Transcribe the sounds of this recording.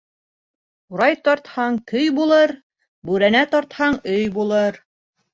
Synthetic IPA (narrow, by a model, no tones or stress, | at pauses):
uɾɑjt̪ɒɾt̪hɑɴk̪ɵjbulˠɤɾ | bʉɾænæt̪ɒɾt̪hɑɴɵjbulˠɤɾ